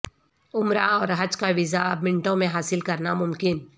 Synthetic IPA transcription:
ʊmɾaɔːɾɦɐd͡ʒkaʋɪzaɐbmɪ̃ɳʈõmẽɦaːsɪlkɐɾnamʊmkɪn

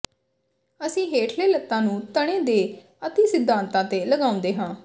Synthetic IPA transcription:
əsĩːɦeːʈʰleːlət̪ːãːnũːt̪əɽ̃ẽːd̪eː | ət̪iːsɪd̪ʱːãːnt̪ãːt̪eːləɡaːʊ̃nd̪eːɦãː

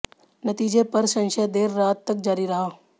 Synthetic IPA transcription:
nət̪iːd͡ʒepɐɾsə̃nʃad̪eːɾːaːt̪ːɐk̚d͡ʒaːɾiɾɐɦaː

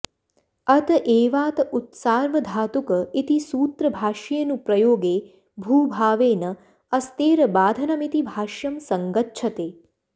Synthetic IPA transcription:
ɐt̪ɐʔeːʋaːt̪ɐut̪saːɾʋɐd̪ʱaːt̪ukɐit̪isuːt̪ɾɐbʱaːʃɐjɐnupɾɐjoːɡeː | bʱuːbʱaːʋeːnɐ | ɐst̪eːɾɐbaːd̪ʱɐnɐmit̪ibʱaːʃjɐmsɐŋɡɐtːʃʰɐt̪eː

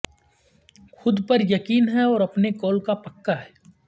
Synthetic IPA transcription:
xʰʊd̪pɐɾjɐkiːnɦɛɔːɾɐpnekɔːlkapɐkːaɦɛː

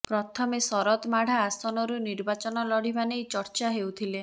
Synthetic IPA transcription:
pɾɔt̪ʰɔmesɔɾɔt̪maɽ̤aːsɔnɔɾuniɾbat͡ʃɔnɔlɔɽ̤ibanejt͡ʃɔɾt͡ʃaɦewt̪ʰile

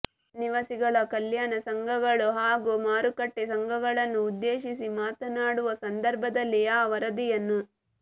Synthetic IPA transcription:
niʋɐsiɡɐɭɐkɐljaːnɐsɐŋɡʱɐɡɐɭuɦaːɡumaːɾukɐʈːesɐŋɡʱɐɡɐɭɐnːuːd̪ːeːʃisimaːt̪ɐnaːɽuʋɐsɐnd̪ɐɾbʱɐd̪ɐlːiaːʋɐɾɐd̪ijɐnːu

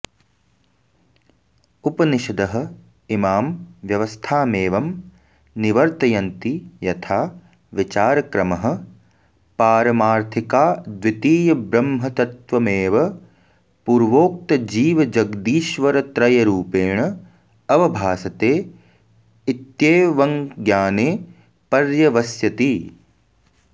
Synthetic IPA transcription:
upɐniʃɐd̪ɐɦɐ̆ | imaːmʋjɐʋɐst̪ʰaːmeːʋɐm | niʋɐɾt̪ɐjɐnt̪ijɐt̪ʰaː | ʋit͡ʃaːɾɐkɾɐmɐɦɐ̆ | paːɾɐmaːɾt̪ʰikaːd̪ʋit̪iːjɐbɾɐmɦɐt̪ɐt̪ʋɐmeːʋɐ | puːɾʋoːk̚t̪ɐd͡ʒiːʋɐd͡ʒɐɡd̪iːʃʋɐɾɐt̪ɾɐjɐɾuːpeːɳɐ | ɐʋɐbʱaːsɐt̪eː | it̪jeːʋɐŋɡjaːneː | pɐɾjɐʋɐsjɐt̪i

